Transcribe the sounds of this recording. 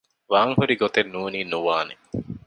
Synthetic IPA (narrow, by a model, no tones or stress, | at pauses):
ʋaːŋhuɾiɡot̪enːuːniːnuʋaːne